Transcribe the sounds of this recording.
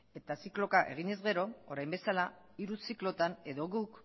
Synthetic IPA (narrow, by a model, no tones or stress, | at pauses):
e̞t̪asiklo̞kaʔe̞̰ɣ̞iɲe̞zɣe̞ɾo̞oɾajmbe̞sala | iɾusiklo̞t̪ane̞ðo̞ɣuk